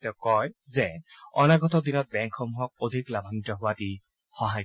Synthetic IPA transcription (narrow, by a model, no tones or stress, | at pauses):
tɛkɔjzɛɔ̰naɡɔtɔd̪inɔt̚bɛŋkxɔmuɦɔk̚od̪ʱiklabʱaŋitɔɦʊwati | xɔɦaj